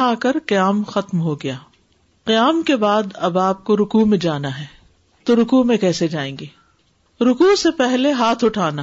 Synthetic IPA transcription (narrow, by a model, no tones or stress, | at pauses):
aːkɐɾqɪjaːmxɐt̪mɦoɡɐjaː | qɪjaːmkebaːd̪ɐbaːp̚koɾʊkuːmẽd͡ʒaːnaɦɛː | t̪oɾʊkuːmẽkɛːsed͡ʒaːẽːŋɡeː | ɾʊkuːsepɛɦleɦaːt̪ʰʊʈʰaːnaː